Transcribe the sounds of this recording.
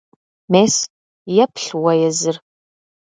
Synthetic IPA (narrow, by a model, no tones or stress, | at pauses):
meːs | jɛpʰɬwɐjɛzɨr